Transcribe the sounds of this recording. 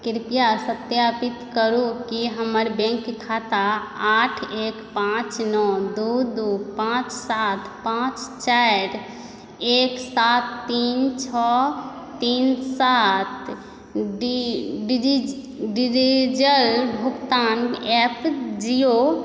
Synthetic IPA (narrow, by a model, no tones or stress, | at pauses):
kiɾpijasət̪japit̪kəɾukiɦəməɾbɛ̃ŋkkʰːat̪aaʈʰekpãt͡ʃnɔd̪ud̪upãt͡ʃsat̪ʰpãt͡ʃt͡ʃaɾ | eksat̪ːint͡ʃʰɔ | t̪insat̪ | ɖɖii | ɖid͡ʒid͡ʒəlbʱukt̪anepʰd͡ʒio